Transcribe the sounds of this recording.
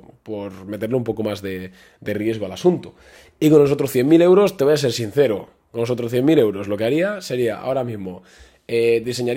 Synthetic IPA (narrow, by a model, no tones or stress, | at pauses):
po̞ɾme̞t̪eɾloumpo̞komazðe | d̪e̞rje̞zɣ̞oalasunt̪u̥ | ikonlːos̬ot̪ɾosθje̞ŋmile̞wɾo̞st̪e̞βojase̞ɾsin̟θe̞ɾo | konːoso̞t̪ɾosθje̞mile̞wɾo̞zlo̞keaɾiase̞ɾia̰a̰o̞ɾamizmo | eðise̞ɲaɾ